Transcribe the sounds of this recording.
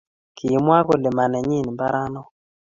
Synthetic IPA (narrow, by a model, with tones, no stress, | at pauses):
kʰi˨mwa˦kɔ˦lɪ˨ma˨nɛ˨ɲɪ˦˨n˨mba˦ɾa˦nɔ˦